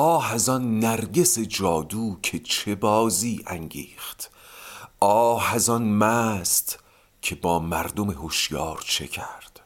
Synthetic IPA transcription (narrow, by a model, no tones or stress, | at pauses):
ɒːhæzɒnːæɾɟe̞se̞d͡ʒɒːd̪uːkʰe̞t͡ʃʰe̞bɒːziːʔæŋɟḭːχt̪ | ʔɒːhæzɒnmæːst̪ | cʰe̞bɒːmæɾd̪ome̞hoʃjɒːɾt͡ʃʰe̞̰cʰæɾd̪̥